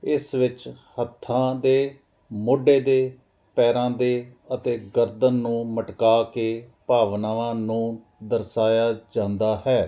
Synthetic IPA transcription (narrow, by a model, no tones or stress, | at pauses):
ɪsʋɪt͡ʃhət̪ʰːãːd̪eː | mʊɖeːd̪eː | pɛːɾãːd̪eː | ət̪eːɡəɾd̪ənːũːməʈkaːkeːpaːʋnaːʋãːnũː | d̪əɾsaːjaːd͡ʒãːnd̪aːhɛː